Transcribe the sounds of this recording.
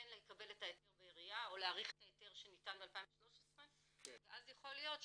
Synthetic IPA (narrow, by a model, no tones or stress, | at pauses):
enlekabe̞letaeteʁbeeʁijao̞leaːʁiχe̥taete̞ʁʃe̞nitanbealpaiɱveʃlo̞ʃesʁe | veʔazjeχoljo̞t